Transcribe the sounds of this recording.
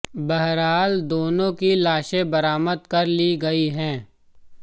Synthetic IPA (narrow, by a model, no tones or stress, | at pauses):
bɐɦɾaːld̪oːnõkilaːʃẽbɐɾaːməd̪̚kɐɾliɡɐiɦɛ̃ː